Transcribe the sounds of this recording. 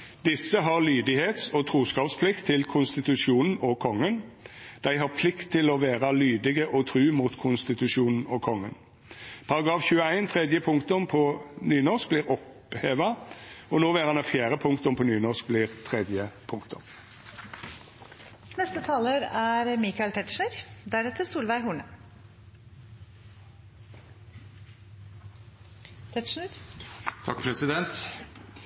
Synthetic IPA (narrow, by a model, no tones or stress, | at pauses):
d̪ɪsːəɦɑʁlyːd̪ɪheːt̪sɔt̪ʰɾuːskɑːpspʰlɪkt̪ʰːɪlkʰʊnst̪ɪt̪ʉʂuːnn̩ɔkʰɔŋːənd̪̥æɪɦɑʁpʰlɪkt̪ʰːɪlɔʋeːʁɑlyːd̪ɪɡəʔɔt̪ʰʁʉːmuːt̪kʰʊnst̪ɪt̪ʉʂuːnn̩ɔkʰɔŋːən | pʰɑʁɑɡʁɑːfçʉːəæɪnt̪ʰʁɛd̪jəpʰʊŋkt̪ʊmpʰɔnyːnɔsk̚bliːʁɔp | heːʋɑɔnoːʋeːʁɑnɑfjæːʁəpʰʊŋkt̪ʊmpʰɔnyːnɔsk̚bliːʁt̪ʰʁɛd̪jəpʰʊŋkt̪ʰʊm | nɛst̪ət̪ʰɑːləɾæɾmikɑɪlt̪ʰɛt̪ʂɳəɾd̪æɾɛt̪ʰəɾsuːlʋæɪɦuːɳə | t̪ʰɛt̪ʃɳəɾt̪ʰɑkpʰɾɛsɪd̪ɛnt̪